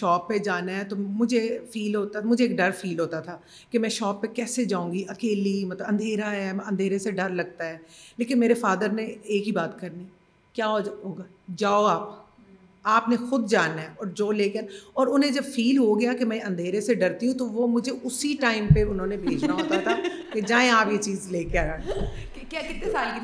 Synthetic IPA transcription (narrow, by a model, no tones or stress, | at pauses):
ʃɔːpːed͡ʒaːnaɦɛt̪omʊd͡ʒʱefiːlɦoːt̪amʊd͡ʒʱeːk̚ɖɐɾfʰiːlɦoːt̪at̪ʰaː | kemɛ̃ːʃɔːpːekɛːsed͡ʒãːũːŋɡiʔɐkeːlimɐt̪ləbɐ̃nd̪ʱeːɾaɦɛɐ̃nd̪ʱeːɾeseɖɐɾlɐɡ̚t̪aɦɛːleːkɪnmeːɾefaːd̪əɾneeːkɦibaːt̪kɐɾniː | kjaːɦod͡ʒɦoːɡaː | d͡ʒaːoaːp | aːpnexʊd̪̚d͡ʒaːnaɦɛɔːɾd͡ʒoːleːkeaːnɔːɾʊnɦẽd͡ʒɐbfʰiːlɦoɡɐjaːkemɛ̃ə̃nd̪ʱeːɾeseɖəɾt̪iɦũt̪oʋoːmʊd͡ʒʱeʔʊsiʈaːɪmpeʊnõːnebʱeːd͡ʒnaoːt̪at̪ʰaː | ked͡ʒaːẽaːpjeːt͡ʃiːzleːkeaːɾaːn | kjaːkɪt̪esaːlk